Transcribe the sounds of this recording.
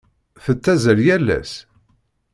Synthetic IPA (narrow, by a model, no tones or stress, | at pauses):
θət͡sːæzəljælːæ̰s